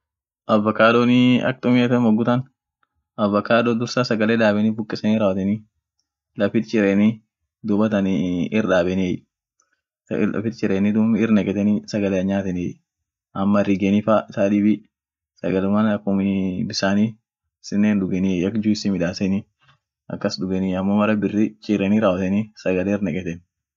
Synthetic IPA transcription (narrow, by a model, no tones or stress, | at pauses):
ʔɐvːɐkaːdoniɐ̰k̚t̪ʼʊmɪjɐt̪ɛmɐɡʊt̪ɐn | ɐvːɐkaːd̪oːd̪ʊɾsasɐɡɐleːᶑ̪aːbɛniːbʊkʼːɪsɐniːɾaːwɐt̪ɛni | lɐfɪt̪t͡ʃɪɾeni | d̪ʊbɐt̪ɐniɪrᶑaːbɛniej | lɐ̰fɪt̪t͡ʃɪɾeːnid̪ʊmɪrnɛɡɛt̪ɛnisɐɡɐleɐɲaːt̪ɛnej | ʔɐmːɐrɪɡenifasaːd̪ɪbi | sɐɡɐlʊmanɐkːʊmɪbɪsaːni | sɪnːeːnᶑ̪ʊɡɛniejɐkd͡ʒuɪsɪmɪᶑaːsɛni | ʔɐ̰kːɐsdʊɡɛnɪɐmːomɐɾɐbɪrːit͡ʃʼɪɾɛniːɾaːwɐt̪ɛnisɐɡɐleːɪɾnɛkʼɛt̪ɛn